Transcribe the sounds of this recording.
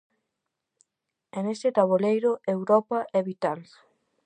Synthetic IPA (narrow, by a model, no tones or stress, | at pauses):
enest̪ɪt̪aβolejɾʊewɾɔpaʔɛβit̪als